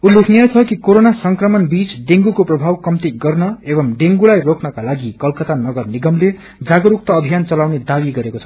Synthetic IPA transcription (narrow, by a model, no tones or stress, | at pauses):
ulːekʰniʌt͡sʰʌkikoɾonasʌŋkrʌmʌnbit͡sɖeŋɡukoprʌbʱawkʌmt̪iɡʌrnʌebʌmɖeŋɡulajrokʰnʌkalaɡikʌlkʌt̪anʌɡʌrniɡʌmle | d͡zaɡʌɾuk̚t̪ʌːbʱijant͡sʌlawned̪awiɡʌɾekot͡sʰʌ̥